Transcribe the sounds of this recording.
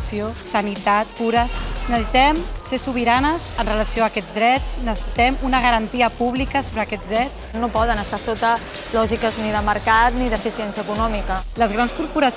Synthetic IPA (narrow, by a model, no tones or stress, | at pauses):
siosənit̪at̪̚puɾəsnəsit̪ɛmsesuβ̞iɾanəzənrələsioaːkɛd͡zðɾɛt͡snəsəsit̪ɛmunəɣəɾənt̪iəpuβlikəsoβɾəkɛd͡zðɾɛt͡s | nopɔðənəst̪asot̪ə | lɔʒikəzniðəməɾkat̪niðəfisiɛnsiəkunɔmikələzɣɾanskuɾpuɾəs